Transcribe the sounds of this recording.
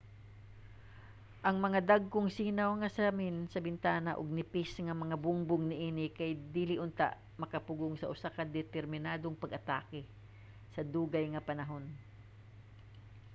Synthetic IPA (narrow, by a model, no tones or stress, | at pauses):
ʔɐŋmɐŋad̪aɡ̚koŋsiːnawŋɐsaamɪnsɐbɪnt̪aːnaʔoɡ̚nɪpɪsŋɐmɐŋabʊŋbʊŋnɪʔiːnɪkajd̪iːlɪʔʊnt̪a̰ʔ | mɐkɐpʊɡoŋsɐʔʊsakɐd̪ɛt̪ɛɾmɪnaːd̪oŋpɐɡʔɐt̪a̰ːkɛ | sɐd̪uːɡajŋɐpɐnɐɦo̞n